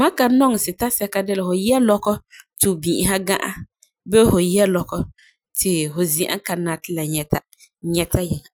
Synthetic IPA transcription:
ma˦ka˨˦nɔ˦ŋ˨sɪ˨ta˦sɛ˦ka˦dɪ˦la˨fʊ˨jɛ˦lɔ˦kɔ˦tʊ˨bĩ˨ʔɪ˨ɦa˦ɡã˦ʔa̰˦ | bɛ˦fʊ˨jɛ˦lɔ˨kɔ˦ | tʰɪ˨hʊ˨zĩ˨ʔa̰˦ka˨na˨tɪ˦la˨ɲɛ˨ta˦ | ɲɛ˦ta˦jɛ˨ŋa˨

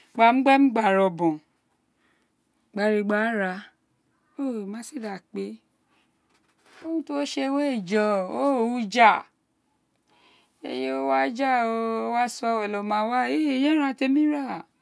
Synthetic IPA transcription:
ɡ͡ba˨m̩̃˦ɡ͡bɛ˦m̩˦ɡ͡ba˦˨ɾɔ˨bɔ̃˨ | ɡ͡ba˧˦ɾi˧ɡ͡ba˦ɾa˧ | o˦˨mã˨˦si˦˨da˨k͡pe˧˦ | o˦ũ˦to˦ʃe˧we˦i˦˨d͡ʒɔ̃˨o˦˨u˦˧˦d͡ʒa˦˨ | ḛ˧je˦o˦wa˦d͡ʒa˦˨o˧˦wa˦sɔ˧ɛ˨lɔ˨mã˨˦wa˦e˦˨e˨jɛ˦ɾ̃ã˧˨te˧mĩ˦ɾa˦˨

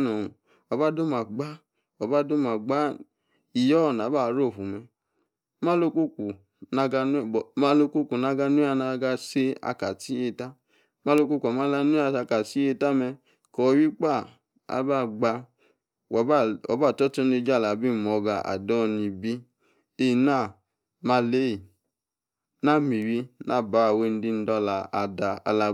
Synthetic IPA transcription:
nɔ˨ | ɔ˧ba˦do˦ma˨ɡ͡ba˦ | ɔ˧ba˦do˦ma˨ɡ͡ba˦ | i˨jɔ˦˨na˨˦ba˦˨˦ɾo˦˨fu˨mɛ˧˦ | mã˦lo˧ku˦ku˨ | na˧ɡa˧n˦˨ma˦lo˧ku˦ku˨na˧ɡa˧nu˦a˦˧˨na˧ɡa˧se˦a̰˧ka˨ti˨˦e˧ta˦ | ma˦lo˧ku˦ka˨mã˦la˧nu˦a˧˨a˧ka˨si˦e˧ta˦mɛ˧ | kɔ˨˦wi˦k͡pa˦˨ | a̰˨ba˦˨ɡ͡ba˧ | wɔ˨bɔ̰˨˦ba˦˨tɔ˦tɔ˦ne˧˦d͡ʒa˦˨la˨bi˦˨m˨ɔ˨ɡa˨a̰˨dɔ˦˨ni˧bi˦ | e˦˨na˦˨ | ma˧le˦ji˨ | na˦˨mi˨wi˧na˦˨ba˨˦˨we˧˨n˦di˧n̩˦dɔ˧la˨a˧da˧a̰˧la˧

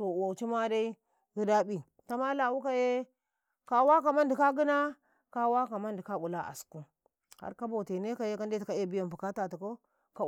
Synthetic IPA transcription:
to˨wo˨t͡ʃi˦ma˦da˦i˦ | ɡu˦da˦bi˨ | ta˦ma˦la˨wu˦ka˦je˦ | ka˨˦wa˦ka˨ma˦ndi˨ka˦ɡi˦na˦ | ka˦wa˦ka˨ma˦ndi˨ka˦bu˨la˦ʔa̰˨sku˦ | ha̰˦ɾka˦bo˨te˨ne˦ka˨je˦ka˦n˦de˦ti˨ka˦e˦˨bi˦ja˨mpu˨ka˦ta˨ti˨ko˦ | ka˦

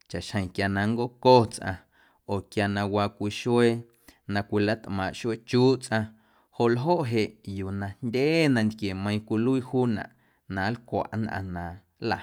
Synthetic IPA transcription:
t͡ʃa˨ʔʃhə̃˨kja˧nã˧ŋɡo˦koː˦t͡sʔã̰˧ | o˨kja˧nã˧wa˧kʷi˧ʃwe˦ | nã˧kʷi˧la˦t̪ʔmã˨ʔʃe˦t͡ʃuː˦t͡sʔã˧ | ho˨ʔlɦo˦ʔɦe˨ʔjuː˨nã˧ndʲeː˦nã˧nd̪kje˨mə̃˧ĩ˧kʷi˧lu˦i˧huː˦nã̰˨ʔ | nã˨˦lkʷa̰˨ʔnʔã̰˧nã˨ | la˨

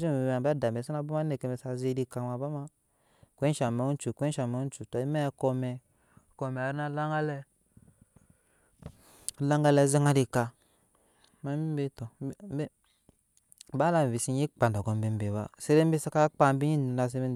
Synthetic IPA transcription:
zi˦˨a˨ba˦da˨m˨e˨sa˦na˨˦bu˦ma˦ne˨ke˨me˨sa˨zi˦di˦ka˨ma˨ba˦ma˦ | kʷe˦ʃa˨me˨u˦n˦t͡ʃu˨kʷe˦ʃa˨me˨u˦n˦t͡ʃu˨tɔ˨i˦mɛ˦ko˧mɛ˨ | ko˨mɛ˨a˨ɾi˦na˦la˦ŋɡa˦lɛ˦˨ | la˦ŋɡa˦lɛ˦˨zi˦ŋa˦ɾi˨ka˨ | ma˦bi˦be˦to˨˦b | ba˦la˦˨m˨vi˨si˦i˦k͡pa˨n˨da˨ɡo˨m˦be˨˦m˦be˨ba˦se˦ɾe˦m̩˦bi˦sa˦ka˦k͡pa˦˨m˦bi˦ɲi˦˨na˨s̬e˦bi˦

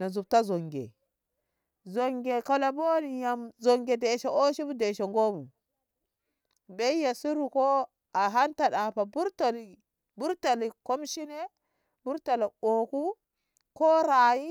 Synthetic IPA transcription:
na˨zu˨b̚ta˦zo˨ŋɡḛ˨ | zo˨ŋɡe˨ko˦la˨bo˦ni˨ja˨mzo˨ŋɡe˨de˨ʃe˨o˦ʃi˦bu˦de˨ʃe˨ŋɡo˦mu˨ | be˦ja˨si˦ɾu˨ko˦ | a˨ɦa˦nta˨ɗa˨pa˨bu˦ɾto˨li˨ | bu˦ɾta˨li˨ko˦mʃi˦ne˦ | bu˦ɾta˨la˨o˨ku˦ | ko˦ɾa˨ji˦

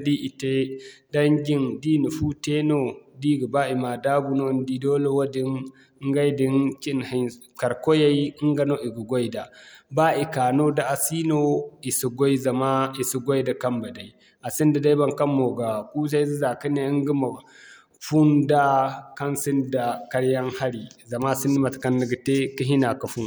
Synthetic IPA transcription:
di˦ʔi˨te˦da˦ŋɡʲi˦ndi˦ni˨ɸu˦te˦no˦di˦ɡi˨ba˦ʔi˨ma˨da˦ɡu˨no˦ndi˦doː˦le˦wa˦di˦n˦ | ŋ˦ɡa˦jdi˦nki˦nhi˨ | ka˨ɾko˦ja˦ji˦i˦ŋɡa˦no˦ʔi˨ɡu˨ɡo˦jda˨ba˦ʔi˨kaː˨no˦da˨ʔa˨si˦no˦i˨si˨ɡo˦i˦za˨ma˦i˨su˨ɡo˦jda˨ka˦mba˨da˨i˦ | a˨si˦nda˨da˦ba˦ŋka˦mːo˨ɡa˨ku˦sa˦zi˦za˨ki˦ne˦i˦ŋ˦ɡi˦ma˨ | ɸu˦nda˦ka˦nsi˦nda˨ka˦ɽja˦ŋha˦ɽi˨za˨ma˦˨si˦nːi˦ma˨tka˦nːi˨ɡi˨te˦ki˦ɦi˦na˨ka˨fu˦n

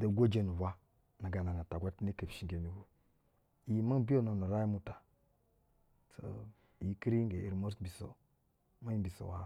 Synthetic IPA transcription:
da˨ɡʷo˦d͡ʒe˨nu˨wa˦ | na˨ɡa˨na˨na˨ta˨ɡʷa˦tne˦kə˨bʃi˨ŋɡe˨ni˦hu˦ | i˨˦ma˦bi˦o˦no˨na˨ɾa˦jmu˨ta˨ | so̰˨ | i˨˦ki˦ɾi˦ɡe˨e˨ɾmo˦skbi˨so̰˨ | ma˦bi˨so̰˨wa̰˨

